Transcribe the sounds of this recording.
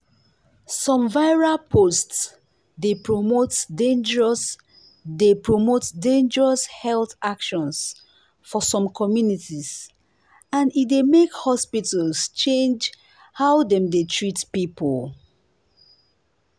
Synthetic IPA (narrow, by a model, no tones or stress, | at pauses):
sɔ̃mvaɪɹapʰosts | depɹomotdẽnd͡ʒəɹɔs | depɹomotdẽnd͡ʒəɹɔshɛlθakʃɔ̃ns | fɔsɔ̃mkʰɔmjunitis | ãnit̚demekhɔspitalst͡ʃẽnd͡ʒ | hawdɛ̃mdetʰɹitpipol